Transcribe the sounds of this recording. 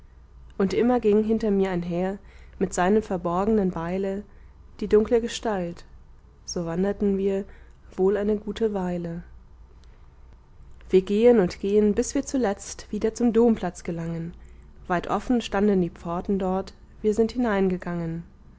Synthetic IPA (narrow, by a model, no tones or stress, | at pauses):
ʔʊntʔɪmɐɡɪŋɦɪntɐmiːɐaɪnɦeːɐ | mɪtz̥aɪnəmfɛɐbɔɐɡənənbaɪlə | d̥iːdʊŋkləɡəʃtalt | z̥oːvandɐtn̩viːɐ | v̥oːlaɪnəɡuːtʰəvaɪlə | v̥iːɐɡeːənʊntɡ̥eːənbɪsv̥iːɐt͡sulɛt͡stv̥iːdɐt͡sʊmdoːmpl̥at͡sɡ̥əlaŋənvaɪtʔɔfn̩ʃtandn̩diːp͡fɔɐtn̩dɔɐt | v̥iːɐzɪnthɪnaɪnɡəɡaŋən